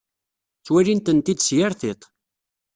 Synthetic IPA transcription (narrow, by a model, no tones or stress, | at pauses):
t͡sːwælint̪ənt̪id̪sjaɾθɪt̪ˤ